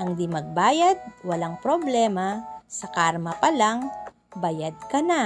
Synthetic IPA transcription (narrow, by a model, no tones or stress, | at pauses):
ʔɐŋd̪imɐɡ̚baːjɐd̪̚wɐlaŋpɾoblɛːmɐsɐkaɾmɐpɐlaŋ | bɐjad̪̚kɐna